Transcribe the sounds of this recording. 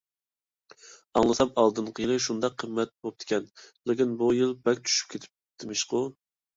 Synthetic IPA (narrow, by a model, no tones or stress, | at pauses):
ɑŋlˠɨsɑmɑlˠd̪ɨnqʰəjilˠɨʃund̪ɑqʰːəmːɛt̪̚bop̚d̪̥ʰɪ̥kʲʰɛnlɪkʲinbujilˠbɛkʲt͡ʃ̪ʰy̥ʃy̥p̚kʲʰet̪ʰɪ̥p̚d̪̥ɪmɪʃqʊ